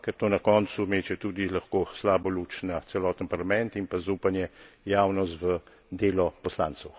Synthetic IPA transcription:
kɛɾt̪oːnɐkɔːnt̪sumeːt͡ʃɛt̪uːd̪ilaxkoːslaːbɔluːt͡ʃnat̪sɛlɔːt̪ənpɐɾlamɛnt̪impazuːpanjɛjaːwnɔst̪ʋə | d̪eːlɔpɔsla̰ːnt̪sɛw

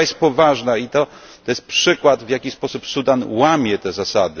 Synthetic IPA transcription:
jɛst̪̚pɔvaʐnait̪ɔt̪ɔjɛst̪pʂɘkwat̪vʲjakʲispɔsupsud̪anwamʲjɛt̪ɛzasad̪ɘ

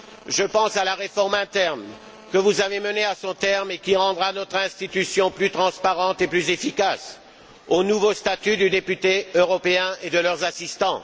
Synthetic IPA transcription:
ʒəpɑ̃salaʁefɔʁmɛ̃t̪ɛʁn | kəvuzaveməneasɔ̃t̪ɛʁmekʲiʁɑ̃d̪ʁanɔt̪χɛ̃st̪it̪ysjɔ̃plyt̪χɑ̃spaʁɑ̃t̪eplyzefikas | onuvost̪at̪yd̪yd̪epyt̪eøʁɔpeɛ̃ʔed̪əlœʁzasist̪ɑ̃

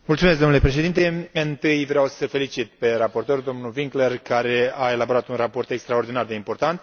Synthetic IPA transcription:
multsumesɡd̪omnule̞pɾe̞ʃ̬e̞d̪int̪e̞ɨnt̪ɨjvɾeawsəfe̞lit͡ʃit̪̚pe̞rapo̞rt̪o̞rd̪o̞mnuviŋklerkaɾe̞ae̞labo̞ɾat̪unrapo̞rt̪e̞kst̪ɾaord̪inard̪e̞impo̞rt̪ant̪

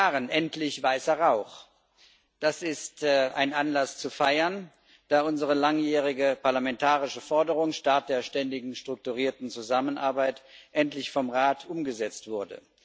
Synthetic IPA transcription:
aːʁənʔɛntlɪçv̥aɪsɐʁaʊχ | d̥asɪstʔa̰ɪnʔanlast͡sufaɪɐn | d̥aːʔʊnzəʁəlaŋjɛːʁɪɡəpaɐlamɛntʰaːʁɪʃəfɔɐdəʁʊŋʃtaɐt̚d̥eːɐʃtɛndɪɡŋ̩ʃtʁ̥ʊk̚tuʁiːɐtn̩t͡suzamənʔa̰ɐbaɪtʔɛntlɪçfɔmʁaːtʰʔʊmɡəzɛt͡stv̥ʊɐdə̰

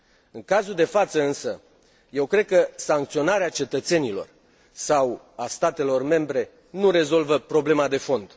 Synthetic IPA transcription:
ɨŋkazuld̪e̞fat̪səɨnsə | je̞wkɾe̞d̪̚kəsaŋk̚t̪sio̞naɾeat͡ʃe̞t̪ət̪se̞nilo̞̰r | saw | ast̪at̪e̞lo̞rme̞mbɾe̞ | nuɾe̞zo̞lvəpɾo̞ble̞mad̪e̞fo̞nd̪̥

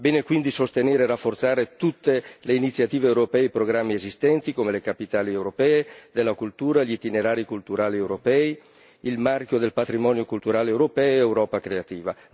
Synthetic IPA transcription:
beːnekwind̪isost̪eneːɾerafːort̪saːɾet̪ut̪ːeleinit̪sjat̪iːveːwɾopɛːipɾoɡɾamːiezist̪ɛnt̪ikomelekapit̪aːliewɾopɛːed̪elːakult̪uːɾaʎit̪ineɾaːɾikult̪uɾaːliewɾopɛːi | ilmarkjod̪elpat̪ɾimɔːnjokult̪uɾaːleewɾopɛːeewɾɔːpakɾeat̪iːva

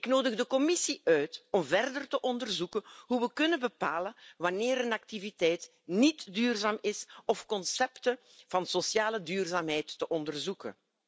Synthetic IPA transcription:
ɪknoːdəɣdəkɔmɪsiʔœɥtɔmvɛrdərtəʔɔndərzukənɦuʋəkɵnəbəpaːləʋɑneːɾənɑktivitɛjt | nitdyːrzaːmɪsɔfkɔnsɛptə | v̥ɑnsosjaːlədyːrzaːmɦɛjtːəʔɔndərzukə̰n

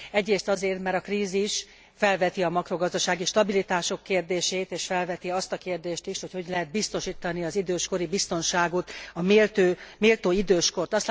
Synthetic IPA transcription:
ɛɟreːst̪ɒzeːrt̪mɛɾɒkriːziʃ | fɛlvɛt̪iɒmɒkro̞ɡɒzd̪ɒʃaːɡiʃt̪ɒbilit̪aːʃo̞kːeːrd̪eːʃeːt̪eːʃfɛlvɛt̪iɒst̪ɒkeːrd̪eːʃt̪iʃho̞cho̞ɟlɛɦɛd̪̚bist̪o̞ʃiːt̪ɒniɒzid̪øːʃko̞ɾibist̪o̞nʃaːɡo̞t̪ɒmeːlt̪øːmeːlt̪oːid̪øːʃko̞rt̪ɒst̪

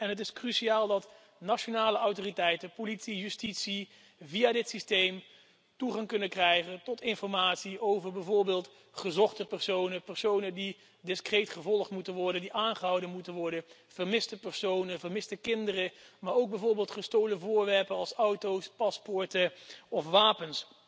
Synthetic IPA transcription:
ɛnɦət̬ɪskryʃiaːlˠdɑt | nat͡ʃonaːləʔɑwtoritɛjtənpolitsijystitsi | vijaːdɪtsistejm | tuχɑŋkɵnəkrɛjχəntɔtɪnfɔɹmaːtsiʔowvəɹbɛjvʊːɹbeːlˠt | χəzɔχtəpɛɹsownəpɛɹsownəndi | dɪskrejtχəvɔlˠχtmutənʋɔɹdəndiʔaːnχəɦʌwdənmutənʋɔɹdə | v̥əɹmɪstəpɛɹsownəvəɹmɪstəkɪndərəmaːɹowɡ̚bɛjvʊːɹbɪːlˠtχəstowləvʊːɹʋɛɹpənɑlˠsʌwtowspɑspɔɹtəɔfʋaːpəns

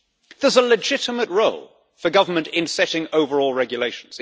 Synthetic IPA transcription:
ðəzəlɪd͡ʒɪtəməʔɹoʊlˠ | fəɡʌvəmə̃ntɪ̃nsɛɾɪ̃ŋəʊvəɹɔːlˠɹɛɡjəleɪʃn̩z̥

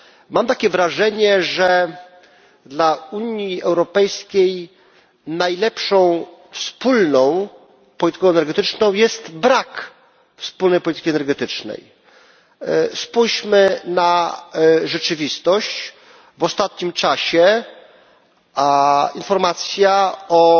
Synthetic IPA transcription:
mamt̪akʲɛvɾaʐɛɲɛʐɛ | d̪lauɲiɛwɾɔpɛjskʲej | najlɛpʂɔ̃w̃fspulnɔ̃w̃ | pɔlʲit̪ɘ̥kɔ̃wɛnɛɾɡɛt̪ɘt͡ʂnɔ̃w̃jɛst̪bɾak | fspulnɛjpɔlʲit̪ɘ̥kʲiɛnɛɾɡɛt̪ɘt͡ʂnɛ̰j | spujɕmɘna | ʐɛt͡ʂɘvʲist̪ɔɕt͡ɕ | vɔst̪at̪̚ɲimt͡ʂaɕɛ | infɔɾmat̪sʲjaɔ

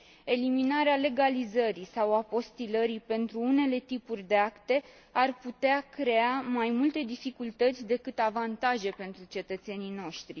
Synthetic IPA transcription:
e̞liminaɾeale̞ɡalizəɾisawapo̞st̪iləɾipe̞nt̪ɾuune̞le̞t̪ipurʲd̪e̞akt̪e̞ | arput̪eakɾe̞amajmult̪e̞d̪ifikult̪ət̪sʲd̪e̞kɨt̪avant̪aʒe̞pe̞nt̪ɾut͡ʃe̞t̪ət̪se̞nino̞ʃt̪ɾi

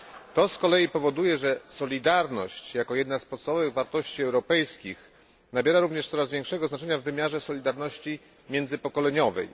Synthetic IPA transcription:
t̪ɔskɔlɛjipɔvɔd̪ujɛʐɛsɔlʲid̪aɾnɔ̰ɕt͡ɕjakɔjɛd̪naspɔt̪st̪avɔvɘɣvaɾt̪ɔɕt͡ɕiɛwɾɔpɛjskʲix | nabʲjɛɾaɾuvɲɛʂsɔɾazvʲjɛŋkʂɛɡɔznat͡ʂɛɲavːɘmʲjaʐɛsɔlʲid̪aɾnɔɕt͡ɕi | mʲjɛnd̪zɘpɔkɔlɛɲɔvɛ̰j

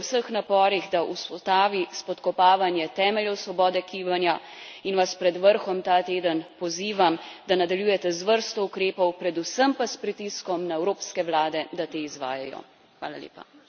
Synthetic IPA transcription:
wsəxnapɔːɾiɣd̪aʔuspɔt̪aːʋispɔt̪kɔpaːʋanjɛt̪ɛːmɛljɛwsʋɔbɔːd̪ɛkiːbanja | inʋaspɾɛd̪ʋəɾxɔmt̪at̪eːd̪ənpɔziːʋamd̪anad̪aljuːjɛt̪ɛzʋəɾst̪ɔukɾeːpɔwpɾɛd̪usəmpaspɾit̪iskɔmnaɛwɾoːpskɛʋlaːd̪ɛd̪at̪eːizʋa̰ːja̰jɔ̰ | xʋa̰ːla̰lḛːpa̰

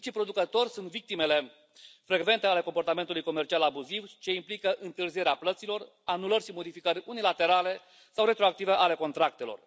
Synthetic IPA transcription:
t͡ʃipɾo̞d̪ukət̪o̞rʲsunt̪vik̚t̪ime̞le̞ | fɾe̞ɡve̞nt̪e̞ale̞ko̞mpo̞rt̪ame̞nt̪ulujko̞me̞rt͡ʃialabuzivt͡ʃe̞implikəʔɨnt̪ɨrzije̞ɾeaplət̪silo̞r | anulərʲʃimo̞d̪ifikəɾʲunilat̪e̞ɾale̞ | sawɾe̞t̪ɾo̞ak̚t̪ive̞ʔale̞ko̞nt̪ɾak̚t̪e̞lo̞̰r

